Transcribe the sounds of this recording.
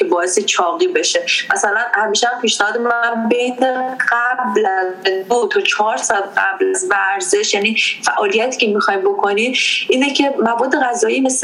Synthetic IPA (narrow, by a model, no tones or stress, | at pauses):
ebɒːeset͡ʃʰɒːɣiːbe̞ʃemæsælænhæmiːʃeæmpʰiːʃnæhɒːd̪emæmbejneɢ̥æblæzd̪ot̪ʰɒt͡ʃʰɒːɾsɒːd̪̚ɢæblæzvæɾze̞ʃjæniːfæʔɒːlijæt̪ʰiːcʰemixɒjmbokʰo̞nimʔiːnecʰe̞mæbɒːd̪ːe̞ɣæzɒːimes